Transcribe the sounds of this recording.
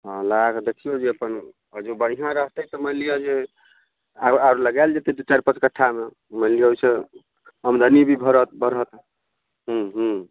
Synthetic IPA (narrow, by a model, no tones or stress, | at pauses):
ɦɔ̃laɡd̪ekʰijod͡ʒeəpən | əd͡ʒebəɽ̤iɦãɾəɦt̪ət̪ɔməlijad͡ʒe | aaɾləɡald͡ʒet̪ed̪ut͡ʃaɾpət͡ʃkəʈʰːame | məlijaoise | əmd̪ʱənibʱibʱəɾət̪bəɾət̪ | ɦũɦũ